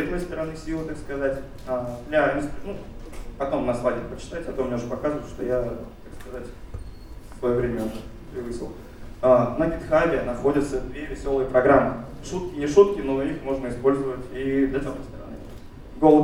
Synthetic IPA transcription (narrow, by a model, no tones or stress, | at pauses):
ɐd̪ojst̪əɾɐnɨsʲilˠət̪akskɐzatʲ | ad̪lʲamʲst̪nupɐt̪o̞mnɐslˠaɡʲɪɾpət͡ɕɪ̥t̪atʲɐt̪omnʲeʊuʐəpɐkazəvət̪ʂt̪o̞̰jat̪akskɐzatʲ | svɐjovɾʲemʲəʊʐɛpɾʲɪvɨsʲɪ̰lˠ | anəɡʲɪt̪xavʲɪnɐxo̞dʲət̪səd̪vʲe̞vʲɪsʲo̞lˠɨjəpɾɐɡɾamːɨ | ʂut̪̚kʲɪnʲɪʂut̪̚kʲɪnoixmo̞ʐnəɪspo̞lʲzəvətʲid̪lʲɐd̪ɐnojst̪əɾɐ̰nɨ̰ | ɡo̞lˠə